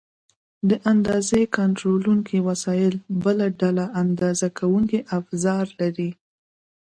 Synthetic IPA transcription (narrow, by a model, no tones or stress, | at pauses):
d̪əʔand̪ɑzekaɳʈɾoluŋkʰiwasɑjɪlbəlaɖalaand̪ɑzakʰawuŋkiʔafzɑɾlaɾi